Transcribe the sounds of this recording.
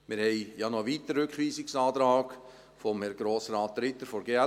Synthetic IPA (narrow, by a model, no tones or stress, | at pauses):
mɪɾhɛɪjɑnɔʋiːt̪əɾːʏkχʋiːsɪksɑːt̪ɾɑːk | fɔmhɛɾɡ̥ɾoːsɾɑːt̪̚ːɾɪt̪ːəɾfɔɾɡeɛ